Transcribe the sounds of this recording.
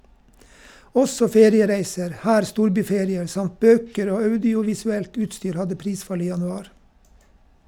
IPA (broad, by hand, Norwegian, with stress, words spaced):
ˈɔsɔ ˈfeːɾɪəˌɾæɪsəɾ ˈhæːɾ ˈstuːɾˌbyːˌfeːɾɪəɾ ˈsɑmt ˈbøːkəɾ ˈoː ˈɑʉdɪʊʋɪsʉˌɛlt ˈʉːtˌstyːɾ ˈhɑdə ˈpɾiːˌsfɑl ˈiː jɑnʉˈɑːɾ